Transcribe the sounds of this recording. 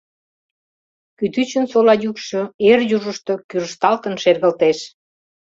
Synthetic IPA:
kyt̪yt͡ɕənsolɑjukʃoerjuʒəʃt̪o̽kyɾəʃt̪ɑlt̪ənʃerɣəlt̪eʃ

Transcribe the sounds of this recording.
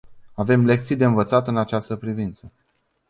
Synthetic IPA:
ave̞mle̞kt̪sijd̪eɨnvət̪sat̪ɨnat͡ʃast̪əpɾivint̪sə

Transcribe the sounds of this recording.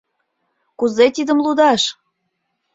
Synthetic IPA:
kuzet̪id̪əmlud̪ɑʃ

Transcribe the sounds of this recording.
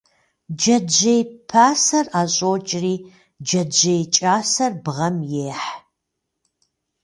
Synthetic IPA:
d͡ʒɐd͡ʒejpʰaːsɐraːɕʼoːt͡ʃʼriː | d͡ʒɐd͡ʒejt͡ʃʼaːsɐrbʁɐmjeːħ

